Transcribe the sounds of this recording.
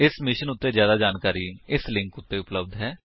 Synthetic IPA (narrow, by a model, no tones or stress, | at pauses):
ɪsmɪʃənʊt̪ːeːzjaːd̪aːd͡ʒaːnkaːɾiɪslɪ̃ŋkʊt̪ːeːʊpləbd̪ɦɛː